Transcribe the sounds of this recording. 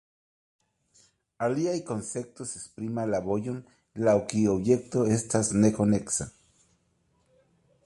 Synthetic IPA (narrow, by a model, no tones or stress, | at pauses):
aliajkonse̞k̚t̪osespɾimalaβojon | lawkioβjekt̪oest̪asnekoneksa